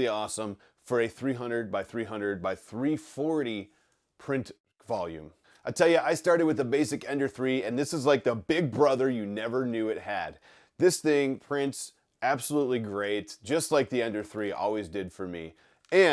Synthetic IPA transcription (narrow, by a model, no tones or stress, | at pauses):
iɔsə̃m | fə˞ɨθɹiɦʌ̃ndɹəd̚baɪθɹiɦʌ̃ndɹəd̚baɪθɹifɔɹɾi | pʰɹ̥ɪ̃nt | v̥ɑlˠjʉ̰̃m | aɪtʰɛlˠjɨʔaɪstɑɹɾɨd̚wɨðəbeɪsɨkɛ̃ndə˞θɹiɨ̃nðɪsəzlaɪk̚ðəbɪɡ̚bɹʌðə˞jɨnɛvə˞njʉɨt̚hɨ̰d̪̚ | ðɪsθɪ̃ŋpʰɹ̥ɪ̃nts | æb̥səlutˡliɡɹeɪt̚d̥ʒ̥ʌstˡlaɪk̚ðiɛ̃ndə̥˞θɹiʔɔ̰lˠwizdɨdfə˞mḭ | ɨ̃